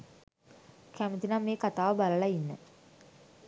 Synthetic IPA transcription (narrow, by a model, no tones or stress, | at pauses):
kʰamit̪inameːkɐt̪aːʋɐbɐlɐɭɐinːɨ